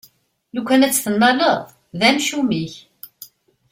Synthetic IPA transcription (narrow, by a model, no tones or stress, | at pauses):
lukʷːænæt͡sːθənːɑləðˤ | ðæmʃumiç